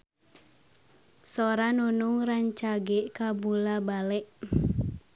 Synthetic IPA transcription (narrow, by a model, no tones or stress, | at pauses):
sɔɾanunuŋraɲt͡ʃaɡɛʔkabulabalɛʔ